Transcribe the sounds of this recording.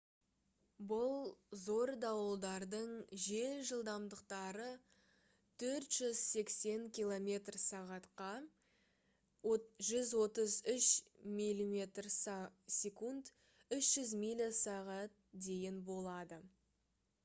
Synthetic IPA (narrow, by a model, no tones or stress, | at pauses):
bʊlˠzo̞ɾd̪ɑwəlˠd̪ɑɾd̪əɴʒe̞lʒəlˠd̪ɑmd̪əqt̪ɑɾə | t̪ʰɵɾt̪ʒ̥ʏz̥se̞kse̞ŋkʲilˠo̞mʲe̞t̪rsɑʁɑt̪qɑ | ʒʏzwo̞t̪əzʏʃmijlʲimʲe̞t̪rssʲekund̪ | ʏʃʒ̥ʏzmilʲisɑʁɑt̪̚d̪e̞jʲɪnbo̞lˠɑd̪ə